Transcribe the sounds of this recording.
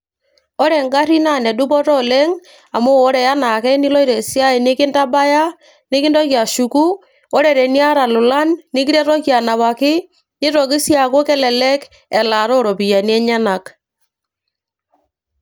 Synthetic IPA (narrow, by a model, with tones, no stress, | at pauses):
ɔ˦ɾɛ˨ŋɡa˦ɾi˦na˦˨nɛ˨dʊ˦pɔ˦tɔ˦lɛ˦ŋ | a˨moː˦ɾɛ˨ja˦na˨kɛ˦nɪ˦lɔ˦i˦ɾɛ˨si˦a˦ɛ˨nɪ˦kɪ˦nta˦ba˦ja˦ | nɪ˦kɪ˦ndɔ˦kja˨ʃu˨ku˦ | ɔ˦ɾɛ˨ɾɛ˨ni˦a˦ɾa˨lʊ˨la˦nːɪ˦k̬i˦ɾɛ˦ɾɔ˦kja˨na˨βa˨kɪ˦ | nɪ˦ɾɔ˨k̬ɪ˦sja˨ko˦kɛ˦lɛ˨lɛ˦k | ɛ˨la˨ɾɔ˦ɾɔ˨pi˨ja˨ni˦ɛ˦ɲa˦na˨k